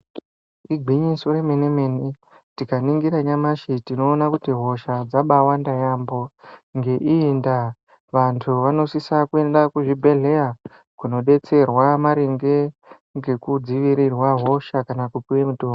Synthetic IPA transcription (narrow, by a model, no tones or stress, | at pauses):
iɡʱiɲisoɾe̞menemene | tikaniŋɡiɾaɲamaʃitino̞ːnakutiɦo̞ʃad͡zaɓawandajambo̞ŋɡe̞ʔiːnda | ʋantʰuʋano̞sisakue̞ndakuʐibʱe̞ɮe̞ra | kuno̞ɗe̞t͡se̞rwamaɾeŋɡe̞ | ŋɡe̞kud͡ziʋiɾirwaɦo̞ʃakanakupiwemutoːmo